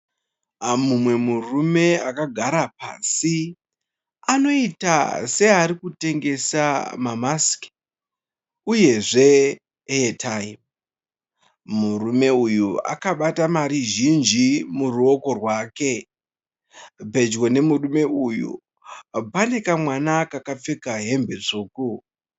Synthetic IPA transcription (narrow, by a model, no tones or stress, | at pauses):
mumwe̞murume̞akaɡʱaɾapa̰ːsi | ano̞ita̰se̞aɾikute̞ŋɡe̞sa̰mamask | uje̞ʐe̞ | eetʰaim | murume̞ujua̰kaɓatamaɾiʒind͡ʒimuruo̞ko̞rwaːke̞ | bʱe̞d͡ʒɡo̞ne̞murume̞ujṵ | bane̞kamwanakakap͡fe̞kaɦe̞mbe̞ʐoːku